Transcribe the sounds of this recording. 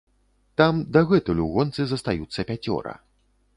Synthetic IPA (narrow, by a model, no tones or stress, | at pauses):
t̪amd̪ɐɣɛt̪ulʲuɣɔnt̪sɨzɐst̪ajut̪sːɐpʲat͡sʲɔ̰ɾɐ̰